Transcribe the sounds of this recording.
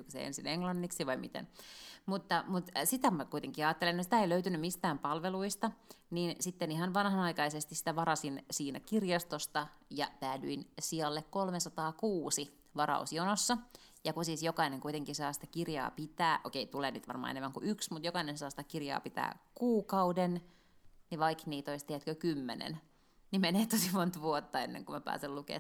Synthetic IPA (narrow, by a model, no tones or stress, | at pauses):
kusḛḛnsineŋlɑnːiksiʋɑimit̪ḛnmut̪ːɑmut̪sit̪æmækuijt̪eŋkiɑːt̪ːelenːtsi̥t̪æeiløyt̪ynymmist̪æːmpɑlʋeluist̪ɑniːnsit̪ːenihɑnʋɑnhɑnɑikɑisest̪isi̥t̪æʋɑɾɑsinsiːnæ̰kirjɑst̪ost̪ɑ | jɑt̪æːdyinsiɑlːekkolmesɑt̪ɑːkuːsi | ʋɑrɑ̰usjonosːɑ | jɑkusiːsjokɑineŋkujt̪eŋkisɑːsi̥t̪æ̥kirjɑ̰ːpit̪æːʔo̰keit̪uleːnyt̪ʋɑ̰rmɑ̰ːḛnemːæŋkṵʔyksmut̪jokɑinensɑːsi̥t̪ækirjɑ̰ːpit̪æ̰ːkuːkɑuden | niʋɑikniːt̪oist̪eæt̪køkymːḛnḛn | nimeneːt̪osimont̪ʋuot̪ːɑenːḛŋkumæpæ̰ːsellukḛː